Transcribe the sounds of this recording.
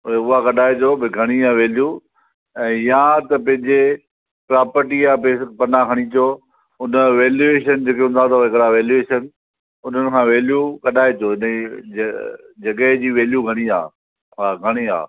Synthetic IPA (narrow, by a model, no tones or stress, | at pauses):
ʊɦakɐɗaːet͡ɕoːbɪɡʱɐɽ̃ijãʋeːlju | ɛ̃ːjat̪ɐpɐ̃ɦɪ̃ɲd͡ʑe | pɾaːpəɾʈiaːpepɐnakʰɐɽ̃it͡ɕoː | ʊnə̆ʋeːljueːʃənd͡ʑeːkeɦũnd̪at̪ɐɦɪkɾaʋeːljueːʃən | ʊn̤ənɪ̆kʰãːʋeːlijukɐɗaːet͡ɕoːɪni | d͡ʑɐɡəɦd͡ʑiːʋeːljuɡʱɐɽ̃ia̰ː | aːɡʱɐɽ̃ia̰ː